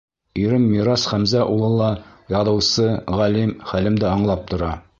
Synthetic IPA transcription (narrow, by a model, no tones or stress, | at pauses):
iɾɘmːiɾɑsχæmzæʔulˠɤ̆lˠːɑjɒðɤ̆wsɤʁælimχælɘmd̪ɘɑɴlˠɑp̚t̪ŏɾɑ